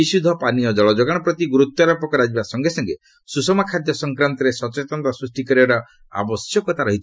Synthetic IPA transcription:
isud̪ʱːɔpanijɔd͡ʒɔɭɔd͡ʒɔɡaɽ̃ɔpɾɔt̪iɡuɾut̪ːɔɾɔpɔkɔɾad͡ʒibasɔŋɡesɔŋɡe | susɔmakʰad̪jɔsɔŋkɾant̪ɔɾesɔt͡ʃet̪ɔnt̪ɔsɾusʈikɔɾiɔɾɔ | a̰bɔsjɔkɔt̪aɾɔɦit͡ʃʰ

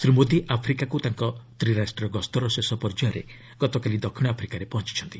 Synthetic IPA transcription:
sɾimod̪iʔapʰɾikakut̪aŋkɔt̪ɾiɾasʈɔɾɔɡɔst̪ɔɾɔsesɔpɔɾd͡ʒɔɔɾḛ | ɡ̥ɔt̪ɔkalid̪ɔkʰːiɽ̃apʰɾikaɾepɔɦɔ̃nt͡ʃi̥t͡ʃʰɔnt̪i

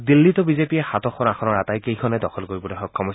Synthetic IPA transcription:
dilːitɔbizepijɛxatɔxʰɔnaxʰɔnɔɹatajkejkʰɔnɛdɔxʰɔlkoɹibutɛxɔkʰːɔmɔs

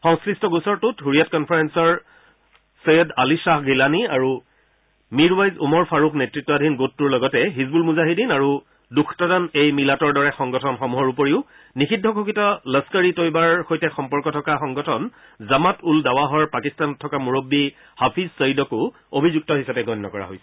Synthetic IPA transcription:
xɔ̃ŋskɹistɔɡusɔɹtutɦuɹijatkɔnpʰaɹɛnsɔɹ | sejɔdalisaxɡilaniaɹu | miɹwajzumɔɹpʰaɹukʰnetɹitːɔadʱinɡotːuɹlɔɡɔtɛɦizbulmuzaɦidinaɹu | dukʰtɔdanejmilatɔɹdɔɹɛxɔŋɡɔtʰɔnxɔmuɦɔɹupoɹiʊ | nixidʱːɔkʰukitɔləskəɹitojbaɹxojtɛxɔmpɔɹkɔtʰɔkaxɔŋɡɔtʰɔn | zamatuldawaɦɔɹpakistanɔtʰːɔkamuɹobːi | hapʰizsəjdɔkʊ | obʱizuk̚tɔɦisapɛɡʱɔnːɔkɔɹa̰ɦojsɛ̥

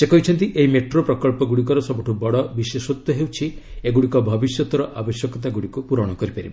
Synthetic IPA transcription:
sekɔɦit͡ʃʰɔnt̪iʔeɦimeʈɾopɾɔkɔɭpɔɡuɽik̬ɔɾɔsɔbɔʈʰubɔɽɔbisesɔt̪ːɔɦewt͡ʃʰieɡuɽikɔbʱɔbisjɔt̪ɔɾɔʔabɔsjɔkɔt̪aɡuɽikupuɾɔɽ̃ɔkɔɾipaɾḭb

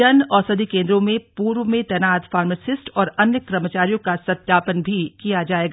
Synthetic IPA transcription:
ənɔːɾsɐd̪ʱikẽːnd̪ɾõmẽpuːɾʋmẽt̪ɛːnaːd̪faːɾmesɪsʈɔːɾɐnjəkɾəmət͡ʃaːɾijõkasɐt̪jaːpənbʱikijad͡ʒaːeːɡa

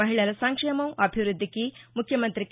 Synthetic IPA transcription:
ɐɦiɭɐlɐsɐŋkʂemɐmʔɐbʱiʋɾud̪ʱːikimukʰjɐmɐnt̪ɾik

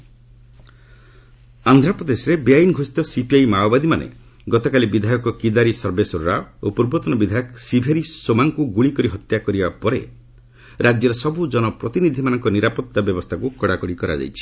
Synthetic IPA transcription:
and̪ʱɾapɾɔd̪esɔɾebeajnɡʱosi̥t̪ɔsipiajmawbad̪imanḛ | ɡɔt̪ɔkalibid̪ʱajɔkɔkid̪aɾisɔɾbesɔɾɾaopuɾbɔt̪ɔnɔbid̪ʱajɔksibʱeɾisomaŋkuɡuɭikɔɾiɦɔt̪jakɔɾibapɔɾḛ | ɾad͡ʒjɔɾɔsɔbud͡ʒɔnɔpɾɔt̪inid̪ʱimanɔ̃ŋkɔniɾapɔt̪ːabjɔbɔst̪ʰakukɔɽakɔɽikɔɾa̰d͡ʒa̰jt͡ʃʰi̥

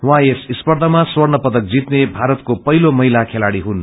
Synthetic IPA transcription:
waesispʌrd̪ʱʌmaswʌrnʌpʌt̪ʌk̚d͡zit̪nebʱaɾʌt̪kopʌɦilomʌɦilakʰelaɽiɦun

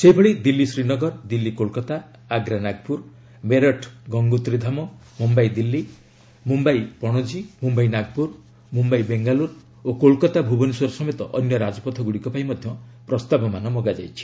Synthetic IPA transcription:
seibʱeɽid̪ilːisɾinɔɡɔɾd̪ilːikolkɔt̪aː | ɡɾanaɡpuɾ | meɾɔʈʰɡɔŋɡut̪ɾid̪ʱamɔ | mumbajd̪ilːi | mumbajpɔɽ̃ɔd͡ʒimumbajnaɡ̚puɾ | mumbajbeŋɡaluɾ | okolkɔt̪abʱubɔniswɔɾɔsɔmet̪ɔʔɔnjɔɾad͡ʒɔpɔt̪ʰɔɡuɽikɔpaimɔd̪ʱjɔpɾɔst̪abɔmanɔmɔɡad͡ʒa̰jt͡ʃʰi̥

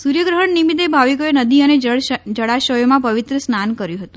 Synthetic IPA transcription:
suɾjəɡɾəɦəɳnimid̪ebʱaʋikoenəd̪iəned͡ʒəɽaʃəjomãpəʋɪt̪ɾəsnankəɾjũɦət̪ũ

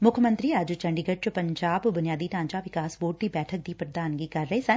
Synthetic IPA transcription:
mʊkʰəmə̃nt̪ɾiːɐd͡ʒt͡ʃəɳɖiːɡət͡ʃpəɲd͡ʒaːbbʊnjaːd̪iːʈãːɲt͡ʃaːʋɪkaːsʋoːʈ̚d̪iːbɛːʈʰək̚d̪iːpɾəd̪aːnɡiːkəɾːəɦeːsɛ̃ː

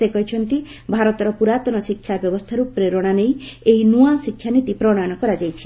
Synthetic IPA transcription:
ekɔɦjt͡ʃʰɔnt̪ibʱaɾɔt̪ɔɾɔpuɾat̪ɔnɔsikʰːjabjɔbɔst̪ʰaɾupɾeɾɔɽ̃anejejnuasikʰːjanit̪ipɾɔɽ̃ajɔñɔkɔɾad͡ʒajt͡ʃʰi̥

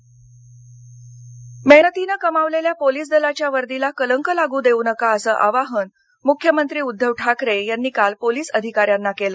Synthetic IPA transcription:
menət̪inakəmaʋleljapoliːs̬d̪əlat͡ɕjaʋəɾd̪ilakələŋkəlaɡuːd̪eunəkaəsəːʔaʋaɦən | mukʰːjəmənt̪ɾiːud̪ʱːəʋʈʰakɾejanːiːkalpoliːsəd̪ʱikaɾjanːakelə

